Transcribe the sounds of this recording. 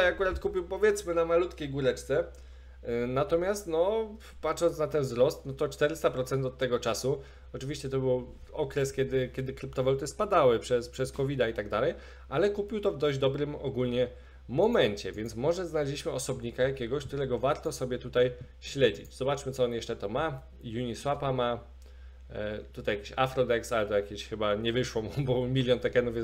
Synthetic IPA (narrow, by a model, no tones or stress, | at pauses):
jakuɾat̪kupʲiwpɔvʲjɛt̪smɘnamalut̪kʲejɡuɾɛt͡ʂt̪sɛ | nat̪ɔmʲjast̪nɔ | patʂɔnsnat̪ɛnvzɾɔst̪nɔt̪ɔt͡ʂt̪ɛɾɘst̪apɾɔt̪sɛnt̪ɔt̪ːɛɡɔt͡ʂasu | ɔt͡ʂɘvʲiɕt͡ɕɛt̪ɔbɘw | ɔkɾɛskʲjɛd̪ɘkʲjɛd̪ɘkɾɘpt̪ɔvalut̪ɘspad̪awɘpʂɛspʂɛskɔvʲid̪ait̪aɡd̪alɛj | ʔalɛkupʲiwt̪ɔvd̪ɔʑd͡ʑd̪ɔbɾɘmɔɡulɲɛ | mɔmɛɲt͡ɕɛvʲjɛnt̪smɔʐɛznalɛʑlʲiɕmɘɔsɔbɲikajakʲɛɡɔɕk̚t̪uɾɛɡɔvaɾt̪ɔsɔbʲjɛt̪ut̪aj | ɕlɛd͡ʑḭd͡ʑz̥ɔbat͡ʂmɘt̪sɔɔnjɛʂt͡ʂɛt̪ɔma | juɲiswapama | t̪ut̪ajakʲiɕafɾɔd̪ɛksalt̪ɔjakʲeɕxɘbaɲɛvɘʂwɔ̃mbɔmʲilʲjɔnt̪ɛkɛnuvʲj